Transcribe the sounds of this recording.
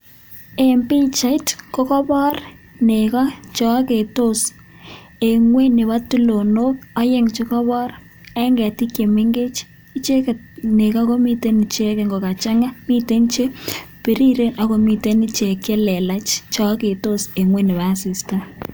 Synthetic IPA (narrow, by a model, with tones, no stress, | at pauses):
e˨mpi˦t͡ʃa˨˦i˦tko˦kɔ˦bɔ˦r | ne˨kɔ˦t͡ʃɔ˨˦ke˨to˦s | e˨ŋwe˦nɪ˨βa˦tu˦lo˨no˦kɔ˦je˦ŋt͡ʃɪ˦kɔ˦βɔ˦r | a˦ŋɡɛ˨ti˦kje˨me˦ŋɡe˦t͡ʃ | i˦t͡ʃe˦k | ne˨ka˦ko˦mi˦te˦ni˨t͡ʃe˦ke˨ŋɡo˨ka˨t͡ʃa˦ŋa˦mi˦te˦nt͡ʃe˦pe˨ɾi˦ɾe˦nʔa˨ko˨mi˨te˦nɪ˦t͡ʃe˨ke˦lɛ˨la˦t͡ʃt͡ʃɔ˨˦ke˨to˦se˨ŋwe˦nɪ˨βa˨si˨sta˦